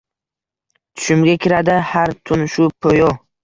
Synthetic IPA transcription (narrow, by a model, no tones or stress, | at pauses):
t̪ʰʊ̥ʃɪmɡʲakʲʰɪɾad̪ɪhaɾt̪ʰʊnʃʊpʰojɔ